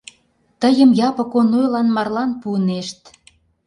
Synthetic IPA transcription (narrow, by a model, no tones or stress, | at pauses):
t̪əjəmjɑpɤ̆konojlɑnmɑrlɑnpuəneʃt̪̚